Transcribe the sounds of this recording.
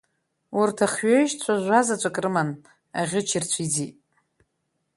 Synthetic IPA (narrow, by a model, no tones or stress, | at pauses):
urtʰaχɥeʒt͡sʷʰaʒʷazat͡ʃʷʼakʼrɨman | aʁʲɪt͡ʃʰirt͡ɕʷʰid͡zitʼ